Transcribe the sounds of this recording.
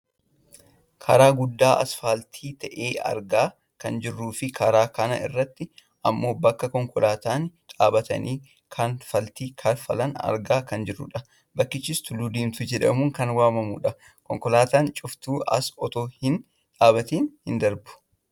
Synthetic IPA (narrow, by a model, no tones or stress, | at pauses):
kʰɐɾaːɡʊd̪ːaːʔɐ̰sfaːlt̪ʰiːt̪ɐʔeːɐ̰ɾɡaː | kɐnd͡ʒɪrːuːfɪkʰɐɾaːkɐnɐ̰ʔɪ̰rːɐt̪ːɪ | ʔɐmːo̞ːbɐkːɐkɔŋkɔlaːt̪aːnᶑaːbɐt̪ɐ̰niː | kʰɐnfɐlt̪iːkʰɐɾfɐlɐnɐ̰ɾɡaːkɐnd͡ʒɪrːʊ̰ᶑɐ | bɐkːɪt͡ʃːɪst̪ʊluːd̪iːmt̪ʊd͡ʒɛᶑɐmuːŋkɐnwaːmɐmṵːᶑɐ | kɔŋkɔlaːt̪aːnt͡ʃʼʊft̪uːɐ̰sɔt̪oːhɪn | ᶑaːbɐt̪iːnhɪnd̪ɐɾbʊ̥